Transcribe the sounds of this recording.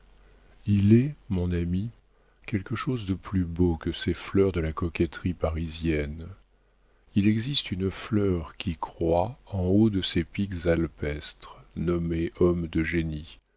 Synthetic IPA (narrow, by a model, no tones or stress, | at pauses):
ilɛmɔ̃nami | kʲɛlkəʃozd̪əplybokəsɛflœʁd̪əlakɔkʲɛt̪χipaʁizjɛn | ilɛɡzist̪ynflœʁkʲʰikχwaɑ̃od̪əsepikzalpɛst̪χnɔmeʔɔmd̪əʒeni